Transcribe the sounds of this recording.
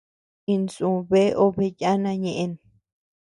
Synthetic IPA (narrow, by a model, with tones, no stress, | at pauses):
i˧nsũ˨βe˦ʔo˦˧βe˧ja˦nã˧ɲẽ˧ʔe˧n